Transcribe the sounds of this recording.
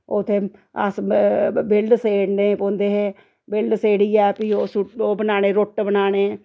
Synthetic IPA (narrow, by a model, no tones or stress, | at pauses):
ot̪ʰːeː | ə̰sbɪlɖseːɽneːpõːnd̪eːɦeː | bɪlɖseːɽiːɛːpiːoːsuoːbənaːɽ̃eːɾʊʈbənaːɽeː